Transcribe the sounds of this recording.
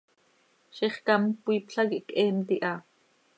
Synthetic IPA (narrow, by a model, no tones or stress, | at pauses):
ʃiχkɑmpwiːpɬɑɣiʔkʔɛːnt̪iʔɑ